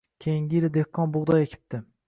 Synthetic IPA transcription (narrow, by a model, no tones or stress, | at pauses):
kʲʰejiŋɡʲijilɪd̪ehkʰːɒnbʊʁd̪ɒjekʲʰɪ̥p̚t̪ʰɪ